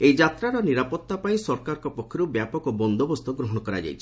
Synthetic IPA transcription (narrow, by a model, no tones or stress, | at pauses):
ejd͡ʒat̪ɾaɾɔniɾapɔt̪ːapaĩsɔɾkaɾɔkɔpɔkʰːɔɾubjapɔkɔbɔnd̪ɔbɔst̪ɔɡɾɔɦɔɽ̃ɔkɔɾa̰d͡ʒa̰jt͡ʃʰi̥